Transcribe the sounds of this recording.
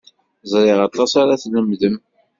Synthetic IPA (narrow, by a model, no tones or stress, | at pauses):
zˤɾˤɪʁɑt̪ˤːɑsaɾaθləmðəm